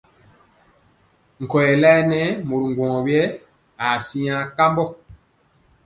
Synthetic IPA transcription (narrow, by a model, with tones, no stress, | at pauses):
ŋ̩˨kɔ˨jɛ˨la˦ɛ˦nɛ˦mo˨ɾu˨ŋ˨ɡwɔ̃˨wjɛ˦ | a˨si˦ã˦ka˦mbɔ˦˨